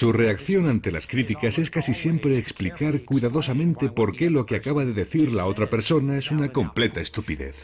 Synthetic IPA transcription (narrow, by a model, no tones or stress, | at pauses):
sure̞akθjo̞nãnt̪e̞la̰skɾit̪ikase̞skasisje̞mpɾeːksplikaɾkwjðaðo̞samẽ̞nt̪e̞po̞ɾke̞lo̞keakaβaðe̞ðe̞θiɾlao̞t̪ɾape̞ɾso̞naesunako̞mple̞t̪ae̞st̪upiðe̞̰θ